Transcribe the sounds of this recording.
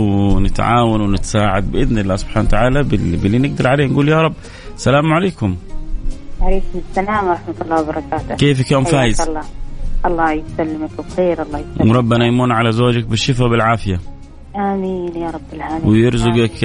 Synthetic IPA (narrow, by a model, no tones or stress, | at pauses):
nɪt̪ʕa̰ːwanwɪnɪt̪saːʕad̪̚bɪʔɪðnɪlːaːsʊb̥ħaːnat̪aʕaːlabɪbɪlːinɪɡ̚d̪ɑɾˤʕaleːhnɡuːljaːɾˤɑbː | salaːmʕaleːkʊm | haɾiːkmʊst̪anaːmɾˤɑħmat̪lˤːɑːwbɑɾˤɑkaːt̪ʊkeːfɪkjoːmfaːjɪzlˤːɑːʔɑlˤːɑːjɪt̪salːɪmakwxeːɾʔɑlˤːɑːjɪwʔɾˤɑbːanajmuːnʕalazoːd͡ʒak̚bɪʃːɪfabɪlʕaːfɪja | ʔamiːnjaɾˤɑbːɪlʕaːnwɪjɪɾzʊɡɪk